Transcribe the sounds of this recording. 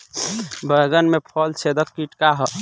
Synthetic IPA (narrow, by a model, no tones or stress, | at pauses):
bəɡənmepʰɔlt͡ʃʰed̪əkkiʈkaɦə